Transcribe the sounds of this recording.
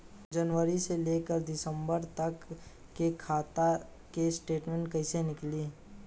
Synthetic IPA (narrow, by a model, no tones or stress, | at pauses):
d͡ʒənʋəɾiseleːkəɾd̪ɪsə̃mbəɾt̪ɐkː | ekʰaːt̪a | kesʈeːʈmẽɳʈkɐɪsenɪkli